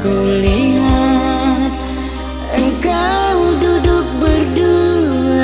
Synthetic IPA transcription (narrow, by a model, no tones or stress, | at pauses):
kuliɦa | t̪̚ | əŋkadudʊk̚bərdu